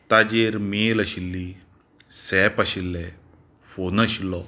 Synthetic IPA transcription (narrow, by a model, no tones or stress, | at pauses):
t̪ad͡ʑeɾmeləɕilːi | sɛpaɕilːɛ | fonəɕilːɔ